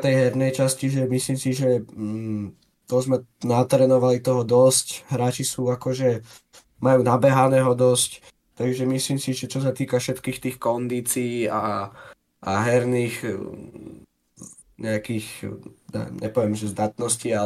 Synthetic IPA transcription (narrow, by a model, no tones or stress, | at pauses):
t̪ɛjɦɛɾnɛjt͡ʃasciʒɛmisliːmsiʒɛ | t̪ɔzmɛnat̪ɾɛːnɔʋalit̪ɔɦɔd̪ɔscɦɾaːt͡ʃisuːakɔʒɛ | majuːnabɛɦanɛːɦɔd̪ɔsc | t̪aɡʒɛmisliːmsiʒɛt͡ʃɔs̬at̪iːkafʃɛt̪kiːxt̪iːxkɔnd̪iːt͡siːa | ʔaɦɛɾniːx | ɲɛakiːxnɛ̰mɲɛ̰pɔʋɛmʒɛzd̪at̪nɔscia